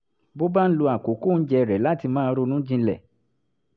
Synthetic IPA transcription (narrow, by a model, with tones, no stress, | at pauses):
bo˦ba˦n̩˦lo˧a˨ko˨˦ko˦˨n̩˦d͡ʒɛ˧ɾɛ˨la˦ti˧mãː˦˧˦ɾo˧nũ˦d͡ʒĩ˧lɛ˦˨